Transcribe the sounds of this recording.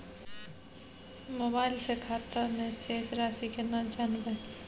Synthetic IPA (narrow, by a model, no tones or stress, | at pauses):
moːbaːɪlsekʰaːt̪amẽseːsɾaːsikenad͡ʒaːnbẽ